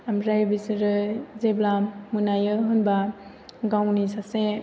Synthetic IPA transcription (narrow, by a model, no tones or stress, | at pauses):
amɾajbisɯɾɯzeblamunajɯɦɯnba | ɡawnisase